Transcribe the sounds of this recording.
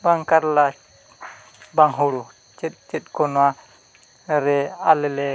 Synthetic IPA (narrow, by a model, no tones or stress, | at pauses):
baŋkaɾla | baŋɦɔɽu | t͡ʃɛt̪̚t͡ʃɛt̪̚kɔnwa | ɾɛalɛlɛ